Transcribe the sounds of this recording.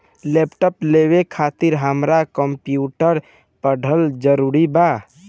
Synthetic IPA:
leːpʈəpleːwekʰat̪ɪɾɦəmɾakəmpjuːʈəɾ | pəɖʱəld͡ʒəɾuɾiba

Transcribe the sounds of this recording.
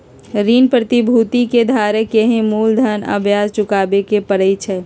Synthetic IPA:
ɾiːnpɾət̪ibʱuːt̪iked̪ʱaːɾekeɦẽmuːld̪ʱənə̰bʱjaːzt͡ʃʊkaːbekepəɾəit͡ʃʰɛː

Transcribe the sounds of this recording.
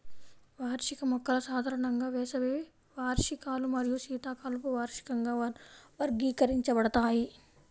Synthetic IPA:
ʋaːɾʂikɐmɐkːɐlɐsaːd̪ʱaːɾɐɳɐŋɡaːʋɛːsɐʋe | ʋaːɾʃikaːlumɐɾijuʃiːt̪aːkaːlupuʋaːɾʂi̥kɐŋɡaːʋɐɾɡiːkɐɾiɲt͡ʃɐbɐɽɐt̪aːji

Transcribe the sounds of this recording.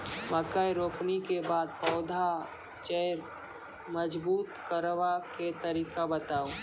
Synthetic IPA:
məkəjɾoːpnikebaːd̪̚pɔʊd̪ʱa | t͡ʃejɾ | məd͡ʒbuːt̪kəɾʋaket̪əɾiːkabət̪aːu

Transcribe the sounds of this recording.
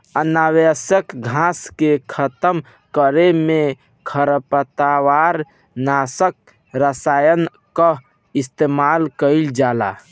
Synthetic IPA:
ənawesəkɡʱãskekʰət̪əm | kəɾeme | kʰəɾəpət̪awaɾ | nasək̚ | ɾəsajən | kə | ist̪emalkəɪld͡ʒala̰

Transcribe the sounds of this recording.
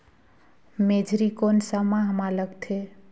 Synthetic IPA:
med͡ʒʱɾikonsamãɦəmaləɡt̪ʰe

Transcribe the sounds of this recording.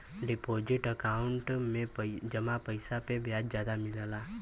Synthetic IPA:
ɖɪpoːd͡ʒɪʈəkaːʊɳʈmẽd͡ʒəmapəɪsapebjaːd͡ʒzjaːd̪amɪləlaː

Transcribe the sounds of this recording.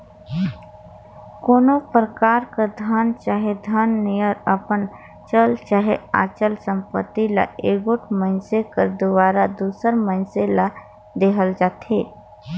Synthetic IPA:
koːnopɾəkaːɾkad̪ʱənt͡ʃaːɦed̪ʱənːijəɾəpən | t͡ʃəlt͡ʃaːɦea̰ːt͡ʃəlsə̃mpə̰t̪ːila̰eːɡoʈʰmənsekəɾd̪ʊʋaːɾad̪uːsəɾmənsela | d̪eɦəld͡ʒaːt̪ʰeː

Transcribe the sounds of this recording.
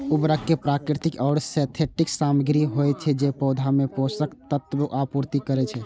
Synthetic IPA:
ubɾəkːepɾakɾit̪ikɔːɽsɛt̪ʰeʈiksaməɡɾiɦojt͡ʃʰɛd͡ʒepɔwd̪ʱameposəkt̪ət̪ːbuʔapuɾt̪ikəɾɛt͡ʃʰɛ

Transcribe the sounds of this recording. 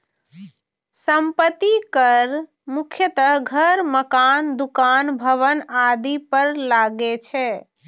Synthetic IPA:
səmpət̪ikəɾ | mukʰjət̪əɦɡʱəɾməkand̪ukanbʱəʋənad̪ipəɾlaɡɛt͡ʃʰɛ

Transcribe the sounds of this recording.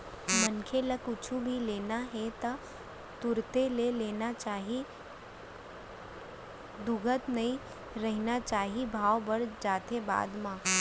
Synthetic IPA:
mɐnkʰeləkʊt͡ʃʰubʱileːnaɦɛt̪ɐ | t̪ʊɾt̪eleleːnat͡ʃaːɦi | d̪ʊɡʱət̪nɐĩ | ɾɛɦnat͡ʃaːɦibʱaːʋbɐɾd͡ʒaːt̪eba̰ːd̪mãː

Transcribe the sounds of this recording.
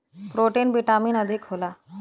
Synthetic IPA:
pɾoʈenbiʈaminəd̪ʱikɦola

